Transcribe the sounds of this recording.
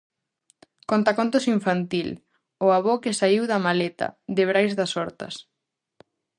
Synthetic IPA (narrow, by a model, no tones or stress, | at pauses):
kont̪akont̪osiɱfant̪il | ʊaβokɪsaiwðɐmalet̪ɐ̰ðɪβɾajzðɐsɔɾt̪ɐ̰s